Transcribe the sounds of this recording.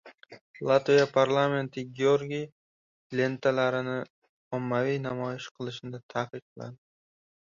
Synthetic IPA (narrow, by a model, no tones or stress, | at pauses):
lˠat̪vijapʰaɾlˠame̞nt̪ʰɪɡʲioɾɡʲi | le̞nt̪ʰalaɾɪnɪ | ɒmːavijnamɒjɪʃqʰɨlˠɪʃɪnɪd̪at̪ʰaqɨq̚lˠa̰nd̪ɪ